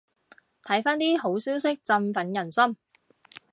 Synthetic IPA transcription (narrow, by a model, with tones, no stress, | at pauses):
t̪ʰɐ˨˥jfaː˥nt̪iː˥ɦo˨˥wsiː˥wsɪ˥k̚t͡sɐ˧mfɐ˨˥njɐ˨˩nsɐ˥m